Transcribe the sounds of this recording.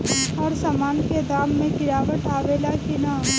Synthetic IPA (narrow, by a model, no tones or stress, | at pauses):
ɔːɾsaːmaːnked̪aːmːẽkɪɾaːʋəʈʰaːʋeːlakɪnaː